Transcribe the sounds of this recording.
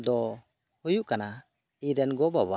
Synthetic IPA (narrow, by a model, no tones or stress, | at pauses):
d̪ɔ | hujuʔkana | iɾɛnɡɔbaβa